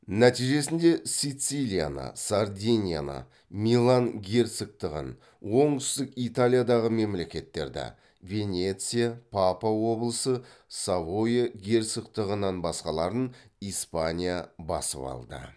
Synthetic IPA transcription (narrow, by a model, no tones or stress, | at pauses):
næt̪ijʒe̞sɪnd̪e̞sijt̪silʲija̰nə̰saɾd̪ʲinʲija̰nə̰ | milˠanɡʲe̞rt̪sɪk̚t̪ɪʁə̰n | wo̞ɴt̪ʏst̪ɪkit̪alʲijad̪ɑʁəme̞mle̞kʲe̞t̪ːe̞ɾd̪ɪ̰ | ve̞nʲe̞t̪sɨjapʰapawo̞blˠəsəsavojeɡʲe̞ɾt̪səkt̪əʁənɑnbɑsqɑlˠɑɾənispanʲijabɑ̰səpɑ̰lˠd̪ə̰